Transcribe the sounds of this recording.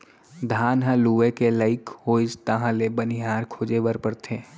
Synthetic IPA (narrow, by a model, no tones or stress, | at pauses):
d̪ʱaːnɦə̃luːʋekeləɪkhoːɪst̪ãɦãlebəniɦaːɾkʰoːd͡ʒeʋəɾpəɾt̪ʰeː